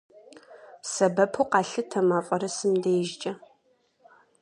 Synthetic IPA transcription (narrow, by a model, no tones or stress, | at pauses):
sɐbɐpʰuːqɑːɬɨtʰɐmaːfʼɔɾɐsɨmdejʒt͡ʃʼɐ